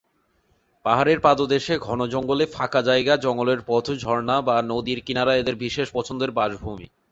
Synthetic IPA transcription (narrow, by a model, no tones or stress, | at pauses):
paɦaɾeɾpad̪od̪eʃeɡʱɔnod͡ʑɔŋɡolefʰakad͡ʑajɡad͡ʑɔŋɡoleɾpɔt̪ʰod͡ʑʱɔɾnabanod̪iɾkinaɾaed̪eɾbiʃeʃpɔt͡ɕʰond̪eɾbaʒbʱumḭ